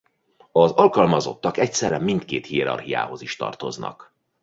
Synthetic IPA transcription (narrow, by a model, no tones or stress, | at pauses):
ɒzɒlkɒlmɒzo̞t̪ːɒkɛc̚sɛrːɛmːint̪keːt̪hiɛɾɒ̰rhija̰ːɦo̞ziʃt̪ɒ̰rt̪o̞znɒ̰k